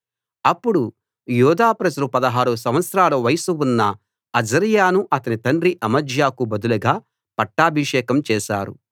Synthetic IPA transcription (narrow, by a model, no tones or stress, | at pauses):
ɐpːuɽu | juːd̪aːpɾɐd͡ʒɐɾupɐd̪ɐɦaːɾusɐmʋɐt̪sɾaːlɐʋɐjɐsuwunːɐ | ɐd͡ʒɐɾjaːnuʔɐt̪ɐnit̪ɐɳɖɾiʔɐmɐd͡ʒjaːkubɐd̪ulɐɡaː | pɐʈːaːbʱiʂɛːkɐmt͡ʃɛːʃa̰ːɾṵ